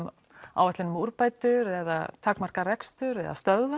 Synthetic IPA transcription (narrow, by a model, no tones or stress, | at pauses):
m | a̰wɛt̪lɪnmuɾpaːjt̪ʏɾɛða̰t̪ʰaːkmar̥karɛkst̪ʏɾɛ̰ða̰st̪œðva